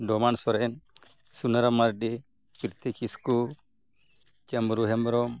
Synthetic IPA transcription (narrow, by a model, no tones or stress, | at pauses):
domansoɾen | sunaɾamaɾdi | piɾt̪ʰikisku | t͡ʃamɾuɦembɾom